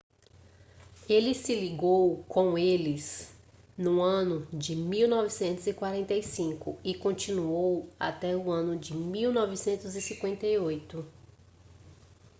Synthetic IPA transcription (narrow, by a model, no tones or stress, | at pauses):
elɪsɪliɡowkõw̃elɪs | nʊ̃ɐ̃nʊd͡ʒɪmiwnɔvɪsẽnt̪ʊzɪkwaɾẽnt̪ejsĩkʊ̰ɪkõnt͡ʃĩnuowa̰t̪ɛʊɐ̃nʊd͡ʒɪmiwnɔvɪsẽnt̪ʊzɪsĩŋkwẽnt̪ejojt̪ʊ